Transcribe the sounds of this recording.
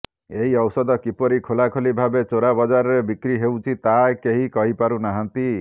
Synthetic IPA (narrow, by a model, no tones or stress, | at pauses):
eɦiɔwsɔd̪ɔkipɔɾikʰolakʰolibʱabet͡ʃoɾabɔd͡ʒaɾɔɾebikɾiɦewt͡ʃʰit̪aekeɦikɔɦipaɾunaɦant̪i